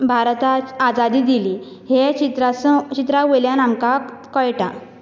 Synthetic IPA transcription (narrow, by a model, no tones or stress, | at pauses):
bʱaɾt̪aad͡zad̪iːd̪ili | ɦet͡ɕit̪ɾast͡ɕit̪ɾaʋoljanamkakəjʈa